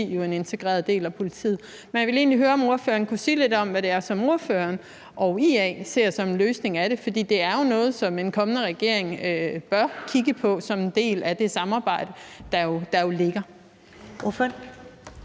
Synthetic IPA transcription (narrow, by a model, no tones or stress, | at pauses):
ḭːjo̝e̝ne̝nt͡sʰe̝ɡ̥ʁɛ̰ːɐðˠde̝̰ːlæpʰo̝lit͡sʰḭð̩ˠ | menjæʋe̝le̝ːnliɦøːɐɒ̽mo̝ɐfø̰ːɐːnkʰusiːle̝d̥ɒ̽mʋæɾ̥e̝æɐsɒ̽mo̝ɐfø̰ɐn | ʔɒ̽ʊiɛse̝ɐ̰sɒ̽mnløːsne̝ŋæɾ̥e̝fɒ̽d̥ḭːd̥e̝æɐjo̝nɔ̽ːð̩ˠsɒ̽me̝nkʰɒ̽mənəʁɛɡ̥e̝ɐe̝ŋøb̥ɶɐkʰiɡəpʰɒ̽sɒ̽mend̥e̝̰ːlæd̥e̝sɑ̈mɑ̈ːb̥ɑ̈ɪ̰d̥əd̥ɑ̈jo̝d̥ɑ̈jo̝le̝ɡ̥ɐ | oføn